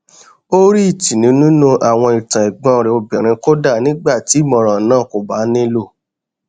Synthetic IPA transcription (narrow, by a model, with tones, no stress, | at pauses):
o˦ɾi˦i˦˨tĩ˨nĩ˨˦nũ˦nũ˧ʔa˨w̃ɔ̃˧i˨tã˨ɛ˨ɡ͡bɔ̃˨˦˨ɾi˧o˧bĩ˨ɾ̃ĩ˧ko˦da˦˨nĩ˦ɡ͡ba˦˨ti˨˦˨mɔ̃˨ɾ̃ã˨nãː˦˨ko˨ba˨˦nĩ˦lo˦˨